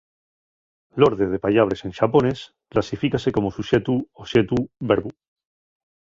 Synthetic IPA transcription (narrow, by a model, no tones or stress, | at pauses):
lo̞ɾðe̞ðe̞paʎaβ̞ɾe̞sẽ̞nʃapone̞s | klasifikase̞ko̞mo̞suʃe̞t̪uoʃe̞t̪ubeɾβu